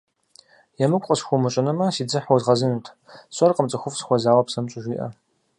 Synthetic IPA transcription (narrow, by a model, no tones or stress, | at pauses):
jɛmɨkʷʼqʼəsxʷʊmɨt͡ʃʼɐnɐmɐsiːd͡zɨħɔzʁɐzɨnɨtʰ | ɕʼɐrqəmt͡sʼɐxʷʊfsxʷɔzaːwɐpsɐmt͡ʃʼʊʒʷiːʔɐ̰